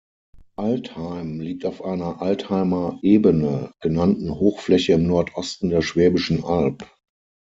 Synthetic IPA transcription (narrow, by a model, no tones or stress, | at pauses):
ʔalthaɪmliːk̚taʊfʔaɪnɐʔalthaɪmɐʔeːbənəɡ̥ənantn̩hoːxflɛçəɪmnɔɐtʰʔɔstn̩deːɐʃv̥ɛːbɪʃn̩ʔalp